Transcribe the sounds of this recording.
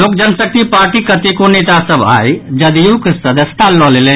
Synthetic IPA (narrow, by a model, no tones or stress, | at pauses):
loːk̚d͡ʒənsək̚t̪ʰipaːɾʈikət̪ekoneːt̪asəba̰jd͡ʒɐd̪ijukəsəd̪əst̪ʰalɔlele